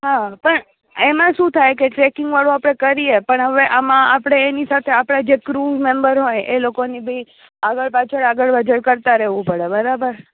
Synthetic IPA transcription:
ɦapəɳ | emãʃũt̪ʰajkeʈɾekɪŋɡʋaɭũapɽ̃ekəɾiepəɳɦəʋeʔamãapɽ̃eːnisat̪ʰeapɽ̃ad͡ʒekɾumembəɾɦojelokonibʱi | aɡəɭpat͡ʃʰəɽaɡəɭʋəd͡ʒəɾkəɾt̪aɾɛɦʋũpəɽebəɾabəɾ

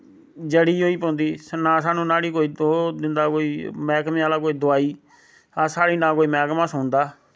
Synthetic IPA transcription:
d͡ʒəɽiːoːiːpɔ̃ːnd̪iːsnaːsaːnũːnaːɽiːkoːiːd̪oːd̪ɪnd̪aːkoːiːmɛːkmẽːaːlaːk̬oːiːd̪ʊaːiː | aːsaːɽiːnãːkoːiːmɛːkmãːsʊnd̪aː

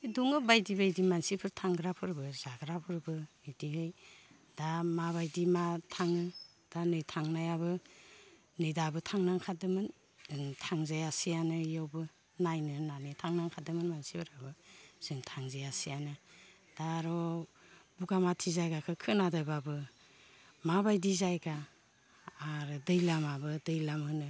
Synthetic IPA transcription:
ɯduŋɯbajdibajdimansipʰɯɾtʰaŋɡɾapʰɯɾbɯzaɡɾapʰɯɾbɯidiɦɯj | damaβajdimatʰaŋɯ | d̥anɯjtʰaŋnajaβɯː | ɯjdabɯtʰaŋnaŋkʰadɯmɯn | tʰaŋzajasijanɯjɯwbɯ | najnɯnanɯtʰaŋnaŋkʰadɯmɯnmansibɯɾabɯsɯŋtʰaŋzejasijanɯ | d̥aɾɔ | buɡamatʰizajɡakʰɯkʰɯnadajbabɯ | mabajdizajɡaː | ɾɯdɯjlamabɯdɯjlamɯnɯ

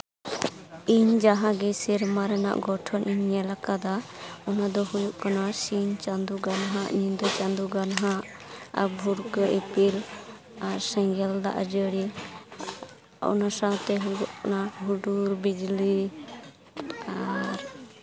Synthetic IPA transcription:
iɲd͡ʒaɦãɡɛsiɾmaɾɛna̰ʔɡɔʈʰɔnʔiɲːɛlakad̪aɔnad̪ɔhujuʔkanasint͡ʃand̪uɡanɦaʔɲind̪ɔt͡ʃand̪uɡanɦaʔa̰bʱuɾkəʔipiɾ | aɾsɛ̃ŋɡɛld̪a̰ʔd͡ʒəɽi | ɔ̰nasat̪ɛɦujuʔknaɦuɖuɾbid͡ʒli | aɾ

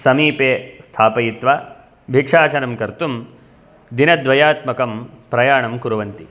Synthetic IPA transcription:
sɐmiːpeːst̪ʰaːpɐjit̪ʋaː | bʱikʂaːt͡ʃɐɾɐmkɐɾt̪um | d̪inɐd̪ʋɐjaːt̪mɐkɐmpɾɐjaːɳɐmkuɾuʋɐnt̪i

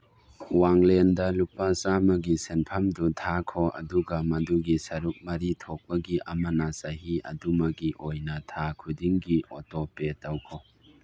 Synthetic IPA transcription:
waŋlendɐlupasamɐɡisenpʰɐmdutʰakʰoɐ̰duɡɐmɐduɡisɐɾuk̚mɐɾitʰok̚bɐɡiʔɐmɐnɐsɐɦiɐ̰dumɐɡiʔojnɐtʰakʰudiŋɡiʔotopetawkʰo

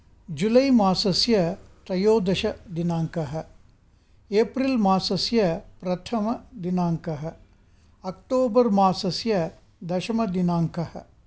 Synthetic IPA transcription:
d͡ʒulɐjmaːsɐsjɐt̪ɾɐjoːd̪ɐʃɐd̪inaːŋkɐɦɐ̆ | eːpɾilmaːsɐsjɐpɾɐt̪ʰɐmɐd̪inaːŋkɐɦɐ̆ | ɐk̚ʈoːbɐɾmaːsɐsjɐ | d̪ɐʃɐmɐd̪inaːŋkɐhɐ̰̆

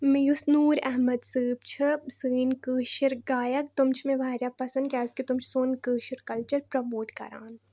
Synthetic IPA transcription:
mẽjusnuːɾɛ̰ɦməd̪sɨːbt͡ʃʰɐsɨːnkəːʃəɾɡaːjɐkt̪ʊmt͡ʃʰmẽbʱaːɾjaːpɐsə̃nd̪kʲaːzkit̪ʊmt͡ʃʰsoːnkəːʃəɾkɐlt͡ʃɐɾpɾɐmoːʈkɐ̰ɾa̰ːn

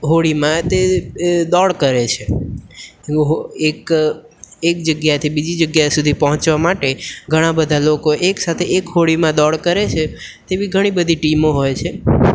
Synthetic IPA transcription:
ɦoɽimãt̪ed̪ɔɭkəɾet͡ʃʰe | ɦoek | ekd͡ʒəɡjat̪ʰibid͡ʒid͡ʒəɡjasud̪ʱipəɦɔ̃t͡ʃʋamaʈeɡʱəɽ̃ãbəd̪ʱalokoʔeksat̪ʰeekɦoɽimãd̪ɔɭkəɾet͡ʃʰe | t̪ebiɡʱəɽ̃ibəd̪ʱiʈimoɦojt͡ʃʰe

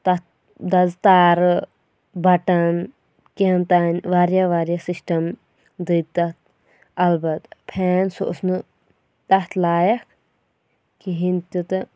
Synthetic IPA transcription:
t̪ɐt̪̚ | d̪ɐzt̪aːɾɨ | bʱɐʈɐn | kent̪aːnʋaːɾjaʋaːɾjɐsisʈɐm | d̪ɨt̪ɐt̪̚ | ɐlbɐt̪pʰeːnso̰ʔsnɨ | t̪ɐt̪ʰlaːjɐkʰ | kiɦint̪ʲut̪ɨ

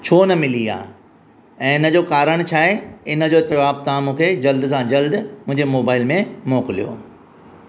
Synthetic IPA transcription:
t͡ɕʰoːnɐmɪlia̰ː | ɛ̃ːɪnə̆d͡ʑoːkaːɾəɽ̃t͡ɕʰaːɦeɪnəd͡ʑoːt̪ɐʋaːb̚t̪aãmũːkʰed͡ʑɐld̪sãd͡ʑɐld̪mʊ̃ɦɪ̃ɲd͡ʑemoːbaːɪlmẽmoːkɪlijo̰ː

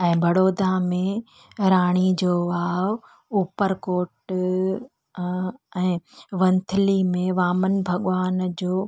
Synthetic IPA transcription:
ɛ̃ːbʱɐɽoːd̪amẽ | ɾaːɽ̃id͡ʑoːʋaːʋ | uːpəɾkoːʈ | ɛ̃ːʋɐ̃nt̪ʰəlimẽʋaːmənbʱɐɠʋaːnd͡ʑoː

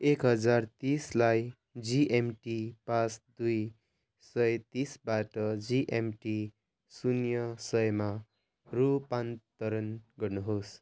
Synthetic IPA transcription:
ekɦʌd͡zart̪islaj | d͡ziʔemʈipãsd̪uj | sʌjt̪isbaʈʌd͡ziʔemʈi | sunjʌsʌjma | rupant̪ʌɾʌnɡʌrnuɦos

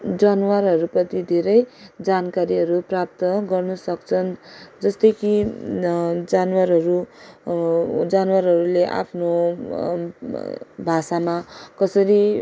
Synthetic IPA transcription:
d͡zanwarɦʌɾupʌt̪id̪ʱeɾʌjd͡zankaɾiɦʌɾuprap̚t̪ʌɡʌrnʌsʌkt͡sʰʌnd͡zʌst̪ʌjki | d͡zanwaɾɦʌɾu | d͡zanwaɾɦʌɾuleʔa̰pʰno | bʱasamakʌsʌɾi

